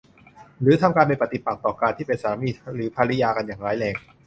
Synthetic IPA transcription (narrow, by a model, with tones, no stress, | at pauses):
ɾɯː˩˦t̪ʰa˧mkaː˧npe˧npa˨˩t̪i˨˩pa˨˩t̪ɔː˨˩kaː˧nt̪ʰiː˥˩pe˧nsaː˩˦miː˧˩ɾɯː˩˦pʰaː˧ɾa˦˥jaː˧ka˧njaː˨˩ŋɾaː˨˦jlɛː˧ŋ